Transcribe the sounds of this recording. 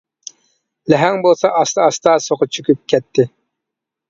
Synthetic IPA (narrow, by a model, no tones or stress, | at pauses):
lɛɦɛŋbolˠsɑʔɑst̪ɑːst̪ɑsoqʊt͡ʃʰykʲyp̚kʲʰɛt̪ʰːɪ